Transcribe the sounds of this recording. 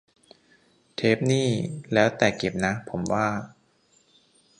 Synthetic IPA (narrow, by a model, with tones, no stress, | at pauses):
t̪ʰeː˦˥p̚niː˥˩lɛː˦˥wt̪ɛː˨˩kːe˨˩p̚na˦˥pʰo˩˦mwaː˥˩